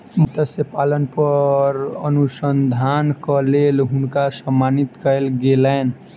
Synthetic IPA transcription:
mət̪əsjəpalənpʌɾənusənd̪ʱankəlelɦunkasəmːanit̪kəjlɡeləjn

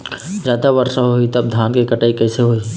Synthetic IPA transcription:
zjaːd̪aʋɐɾʃaɦoit̪ɐb̚d̪ʱjaːnkikɐʈaːikɛːseɦoːi

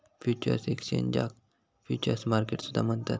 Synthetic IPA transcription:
fjut͡ɕə̰ɾsekst͡ɕḛ̃ɲd͡ʑa̰k̚ | fjut͡ɕəɾsmaɾkeʈsud̪ʱamənt̪at̪̚

